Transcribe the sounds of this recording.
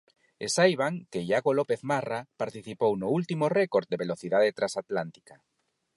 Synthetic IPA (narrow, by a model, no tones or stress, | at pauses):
esajβ̞aŋkejaɣolopeθmarapaɾt̪iθipownʊult̪imorɛkoɾt̪̚d̪eβeloθiðaðet̪ɾasat̪lant̪i̥ka